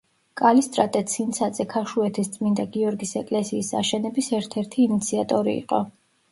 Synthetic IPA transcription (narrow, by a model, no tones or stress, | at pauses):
kʼalist̪ʼɾat̪ʼɛt̪sʰint̪sʰad̪zʼɛkʰaʃuɛt̪ʰist̪sʼmind̪aɡiɔɾɡisɛkʼlɛsiːsa̰ʃɛnɛbisɛɾt̪ʰɛɾt̪ʰiːnit̪sʰiat̪ʼɔɾḭḭqʼɔ̰